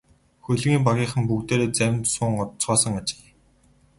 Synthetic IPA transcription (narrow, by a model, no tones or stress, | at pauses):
xɵɮɣiːmpaɣʲiːχə̆mpukt̪eːɾeːt͡sæw̆ʲnt̪sʊːŋɔt̪t͡sɔːsə̆ŋat͡ɕɪ̥̆k